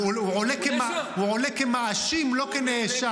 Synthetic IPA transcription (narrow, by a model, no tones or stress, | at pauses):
ʕolekemauʕolekemaaʃimlokeneeʃa